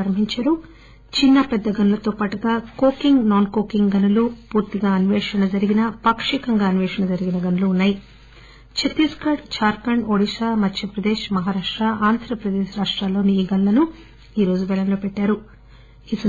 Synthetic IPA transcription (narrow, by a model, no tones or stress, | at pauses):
ɾɐm̤iɲt͡ʃaːɾu | t͡ʃinːɐpɛd̪ːɐɡɐnulɐt̪oːpaːʈuɡaːkoːkiŋɡnaːnkoːkiŋɡɡɐnulupuːɾt̪iɡaːɐniʋɛːʂɐnɐd͡ʒɐɾiɡinɐpɐkʂikɐŋɡaːɐnʋɛːʂɐnɐd͡ʒɐɾiɡinɐɡɐnuluːnːaːji | t͡ʃʰet̪iskɐɽt͡ʃaːɾkɐɳɖoːɽiʃaːmɐt̪ʰjɐpɾɐd̪eːʃmɐɦaːɾaːʂʈɾaaːnd̪ʱɾɐpɾɐd̪eːʃɾaːʂʈɾaːlo̞ːniːɡɐnulɐnu | iːɾo̞ːd͡ʒubɛlɐnlo̞ːpɛʈːaːɾu | isɐ